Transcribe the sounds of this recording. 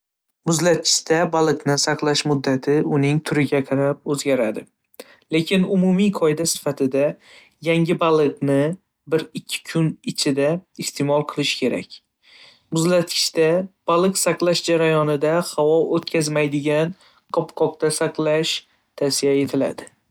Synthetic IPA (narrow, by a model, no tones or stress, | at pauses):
mʊzlat̪̚kʰʲɪ̥ʃt̪abalˠɨqnɪsɑqlˠaʃmʊd̪ːat̪ʰɪʊnɪŋt̪ʰʊɾɪɡʲaqʰɑɾap̚ɵzɡʲaɾad̪ɪ | le̞kʲʰɪnʊmumijqʰɒɪd̪asɪ̥fat̪ʰɪd̪a | jaŋʲɪbalˠɨqnɪ | bɪɾɪkʲʰːɪ̥kʰʊnɪt͡ʃʰɪd̪aɪst̪ʰe̞mɒlˠqʰɨlˠɪʃkʲʰe̞ɾa̰kʲ | mʊzlat̪kʰʲɪ̥ʃt̪ab̥alˠɨqsɑqlˠaʃd͡ʒaɾajɒnɪd̪ahawɒot̪kʲʰazmajd̪ɪɡʲan | qʰɒpqʰɒq̚t̪asɑqlˠaʃ | t̪ʰasijaje̞t̪ʰɪla̰d̪ɪ